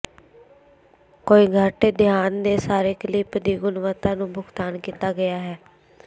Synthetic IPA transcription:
koːiːɡʱəʈeːd̪ʱjaːnd̪eːsaːɾeːkəliːpəd̪iːɡʊnʋət̪ãːnũːbʱʊkt̪aːnkiːt̪aːɡəjaːɦɛː

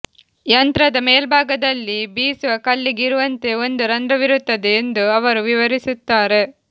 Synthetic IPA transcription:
jɐnt̪ɾɐd̪ɐmeːlbʱaːɡɐd̪ɐlːibiːsʋɐkɐlːiɡiɾuʋɐnt̪e̞o̞nd̪uɾɐnd̪ɾɐʋiɾut̪ːɐd̪eːnd̪uɐʋɐɾuʋiʋɐɾisut̪ːaːɾe̞

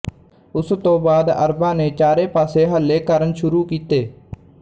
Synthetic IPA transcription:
ʊst̪õːbaːd̪ə̰ɾbãːneːt͡ʃaːɾeːpaːseːɦəlːeːkəɾənʃʊɾuːkiːt̪eː

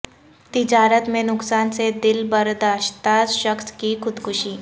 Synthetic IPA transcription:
t̪ɪd͡ʒaːɾət̪mẽnʊksaːnsed̪ɪlbɐɾd̪aːʃt̪aʃəxskixʊd̪kʰʊʃiː

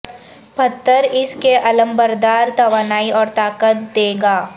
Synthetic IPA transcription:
pɐt̪ːəɾɪskeʔɐlə̃mbəɾd̪aːɾt̪ɐʋaːnaːiʔɔːɾt̪aːkət̪d̪eːɡaː

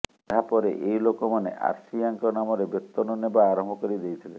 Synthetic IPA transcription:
ɦapɔɾḛʔeɦjlokɔmaneʔa̰ɾsiaŋkɔnamɔɾebet̪ːɔnɔnebaːɾɔmbʱɔkɔɾid̪ejt̪ʰile

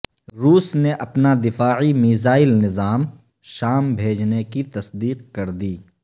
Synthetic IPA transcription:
ɾuːsneʔɐpnad̪ɪfaːʕimiːzaːɪlnɪzaːm | ʃaːmbʱeːd͡ʒnekit̪ɐsd̪iːq̚kɐɾd̪iː

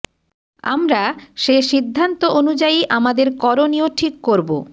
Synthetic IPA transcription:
a̰mɾaʃeʃid̪ʱːant̪oʔonud͡ʑaiʔamad̪eɾkɔɾonioʈʰikːoɾbo̰

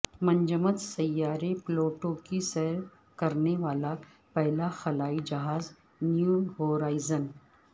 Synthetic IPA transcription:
mɐ̃ɲd͡ʒəmət̪sɐjːaːɾeploːʈõkisɛɦɾ | kɐɾneʋaːla | pɛɦlaxɐlaːid͡ʒɐɦaːz | njuːɦoːɾaːɪzən

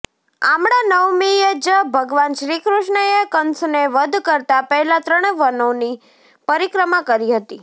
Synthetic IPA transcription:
amɽ̃anəʋmijed͡ʒəbʱəɡʋanʃɾikɾuʃɳəjekənsneʋəd̪ʱkəɾt̪apəɦɛlat̪ɾəɳ̃ʋənoni | pəɾikɾəmakəɾiɦət̪i

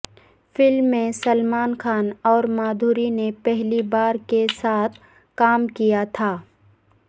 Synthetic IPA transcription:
fɪlmːẽsɐlmaːnxʰaːnɔːɾmaːd̪ʱuːɾinepɛɦlibaːɾkesaːt̪ʰ | kaːmkijat̪ʰaː

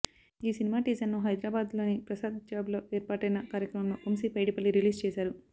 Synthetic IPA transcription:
iːsinimaːʈiːzɐnnuɦɐjd̪ɾaːbaːd̪lo̞ːnipɾɐsaːd̪d͡ʒaːblo̞ːʔeːɾpaːʈɐjnɐkaːɾjɐkɾɐmɐmlo̞ːʔomsiːpɐjɽipɐlːiɾiliːst͡ʃɛːsaːɾu

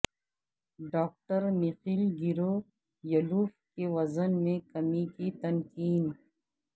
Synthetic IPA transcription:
ɖɔːk̚ʈəɾmiqiːlɡiɾo | jɐluːfkeʋɐzənmẽkɐmikit̪ɐnkiːn

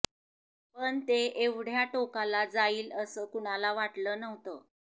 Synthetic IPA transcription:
pəɳt̪eeʋɽ̤jaʈokalad͡zaiːləsəːkuɽ̃alaʋaʈləːnəɦt̪əː

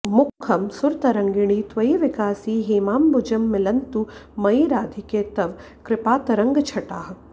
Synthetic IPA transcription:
mʊkʰːɐmsʊɾt̪ɐɾɐŋɡɪɽ̃it̪ʋɐiʋɪkaːsiːɦiːmaːmbʊd͡ʒɐmːɪlɐnt̪umɐiɾaːd̪ʱikeːt̪ɐʋ | kɾɪpaːt̪ɐɾɐ̃ŋɡt͡ʃʰɐʈaːɦ

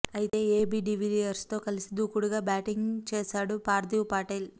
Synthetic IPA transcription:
ɐjit̪e̞ːeːbiɖiʋilijɐɾst̪o̞ːkɐlisid̪uːkuɽuɡaːbaːʈiŋɡt͡ʃɛːʃaːɽupaːɾd̪iwpaːʈel

